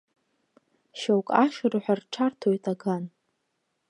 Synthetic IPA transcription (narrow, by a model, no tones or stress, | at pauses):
ʃawkʼaʃɨrħʷᶣarʈ͡ʂʰartʰojtʼaɡan